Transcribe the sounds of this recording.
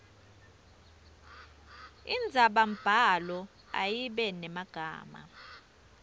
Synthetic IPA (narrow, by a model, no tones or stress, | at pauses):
ind͡zʱaɓam̩b̥ʱalɔ | a̰jiɓɛnɛmaɡ̥ʱa̰ːma̰